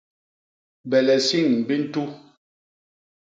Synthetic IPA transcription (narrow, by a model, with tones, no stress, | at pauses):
bɛ˨lɛ˨si˦˨ŋbi˦n̩˦tu˦